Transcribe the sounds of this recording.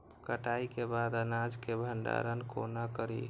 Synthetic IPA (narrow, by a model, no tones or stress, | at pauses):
kəʈaikebad̪ənad͡ʒkebʱənɖa̰ɾənkonakəɾi